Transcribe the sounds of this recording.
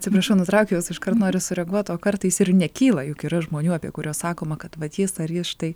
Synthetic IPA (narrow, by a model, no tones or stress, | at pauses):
tʲt͡sʲɪpɾɐʃʲɛʊnʊt̪ɾɐʊkʲɛjʊsɪʃkɐrt̪noːɾʲɪsʊɾʲɛɡuɔt̪oːkɐrt̪ɐɪɪsɪrnʲɛkʲiːlˠɐjʊkiːɾɐʒmoːnʲuːɑːpʲiɛkʊɾʲuɔssɑːkoːmɐkɐt̪ʋɐt̪jɪsɐrjɪsʃʲɪ̥t̪ɐɪ